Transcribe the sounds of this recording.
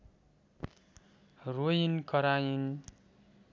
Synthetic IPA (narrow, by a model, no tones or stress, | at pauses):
rojinkʌɾajin